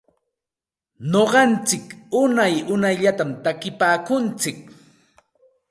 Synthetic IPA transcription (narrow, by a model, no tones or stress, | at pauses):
ɲoɢɑnt͡sɪkʊnajʊnajʎat̪amt̪akɪpaːkʊnt͡sɪk̚